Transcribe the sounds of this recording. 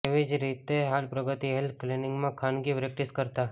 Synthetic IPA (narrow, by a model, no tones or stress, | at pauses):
eʋid͡ʒɾit̪eɦalpɾəɡət̪iɦeld̪̚klenɪ̃ŋɡmãkʰanɡipɾek̚ʈiskəɾt̪a